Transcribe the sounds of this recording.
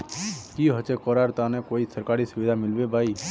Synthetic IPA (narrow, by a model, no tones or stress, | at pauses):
kiɦət͡ʃekəɾaːɾt̪anẽkoːisəɾkaːɾiːsʊʋid̪ʱamɪlbebʱaːiː